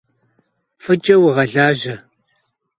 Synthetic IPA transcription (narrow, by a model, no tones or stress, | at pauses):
fɨd͡ʒʼɐwʁɐɮaːʒɐ